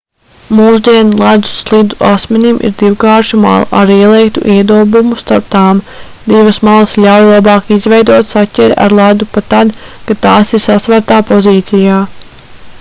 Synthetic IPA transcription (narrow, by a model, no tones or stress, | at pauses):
muːsd̪iɛnulˠæd̪u̥slˠid̪uʔasmɛnimʔḭɾd̪iwkaːɾʃuma̰l̰ˠʔaɾiɛlˠɛjkt̪uʔiɛd̪uɔbumust̪aɾp̚t̪aːm | d̪iʋɐsmalˠəslʲawjlˠabɑːkizvɛjd̪uɔt̪satʲɛɾʲa̰ɾlˠæd̪upat̪ad̪kat̪aːsiɾsasʋaɾt̪aːpɔziːt̪sijaː